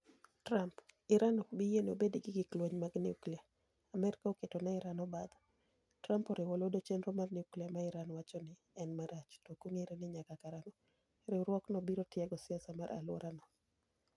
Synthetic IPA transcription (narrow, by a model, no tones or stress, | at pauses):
tɾampɪɾanɔbɪjenobediɡɪɡɪklweɲmaɡniuklia | amɛɾkaoketɔnaɪɾanɔbad̪ | tɾampɔɾɪwɔlodot͡ʃɛnɾɔmarniukliamaɪɾanwat͡ʃɔnɪ | ɛnmaɾat͡ʃtokoŋeɾenɪɲakakaɾanɔ | ɾɪwɾwɔknɔbiɾotjɛaɡɔsɪasamaɾʔa̰lwɔ̰ɾʔanɔ